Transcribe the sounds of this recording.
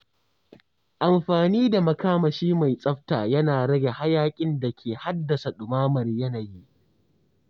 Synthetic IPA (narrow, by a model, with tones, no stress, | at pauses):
ʔa˨mɸaː˨niː˦da˨mɐ˨kaː˦mɐ˨ʃiː˦ma˨jsʼɐ˦ɸtaː˨jɐ˦naː˨ɽɐ˦ɡʲe˨ha˦jaː˦kʲʼɪ˦nda˨kʲʰeː˨ha˦dːɐ˨sa˨ɗʊ˨maː˦mɐ˨rjɐ˦na˨ji˦ʔ